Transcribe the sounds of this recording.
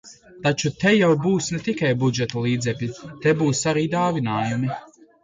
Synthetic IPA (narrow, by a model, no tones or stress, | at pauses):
t̪at͡ʃut̪ɛjawbuːsnɛt̪ikajbud͡ʒɛt̪ɔlˠiːd̪zɛpʲit̪ɛbuːsaɾiːd̪aːvinaːjumi